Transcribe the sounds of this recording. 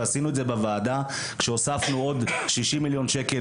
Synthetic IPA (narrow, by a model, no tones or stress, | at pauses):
asinuetzebevaːda | kʃeosafnuo̞dʃiʃimiljo̞nʃe̞ke